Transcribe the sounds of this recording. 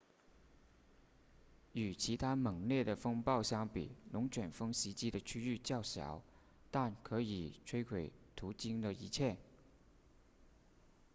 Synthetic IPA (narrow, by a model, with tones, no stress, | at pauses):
y˨˩t͡ɕʰi˧˥t̪ʰa˥mɤ˨˩ŋljɛ˥˩d̪ə˩fɤ˥ŋpɑ˥˩ʊɕjɑ˥ŋpḭ˨˩lʊ˧˥ŋt͡ɕʰɥɛ˨˩nfɤ˥ŋɕi˧˥t͡ɕi˥d̪ə˨t͡ɕʰy˥y˥˧t͡ɕjɑ˥˩ʊɕjɑ̰˨˩˦ʊ | t̪a˥˩nkʰɤ˧˥i˨˩ʈ͡ʂʰwe˥ɪkʰwe˨˩ɪt̪ʰu˧˥t͡ɕi˥ŋd̪ə˨i˧˥t͡ɕʰjɛ˥˩n